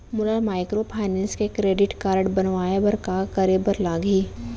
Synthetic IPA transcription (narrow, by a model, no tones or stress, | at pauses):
mʊlamaːɪkɾopʰaːɪnɛ̃ːnskekɾeːɖɪʈkaːɾəɖbɐnʋaːebɐɾkakɐɾeːbəɾlaːɡiː